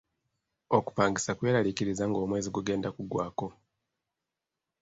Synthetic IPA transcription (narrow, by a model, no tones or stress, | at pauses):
oku̥paːŋɡisakwe̞ːɾalikiɾizaŋɡo̞ːmwe̞ːziɡuɡe̞ːndakuɡwaːko̞